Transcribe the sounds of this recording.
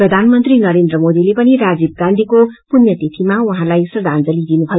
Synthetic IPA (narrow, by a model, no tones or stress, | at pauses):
prʌd̪ʱanmʌnt̪rinʌɾend̪rʌmod̪ilepʌniɾad͡zib̚ɡãnd̪ʱikopunjʌt̪et̪ʰimawuɦãlajsrd̪ʱand͡zʌlid̪inubʱʌjo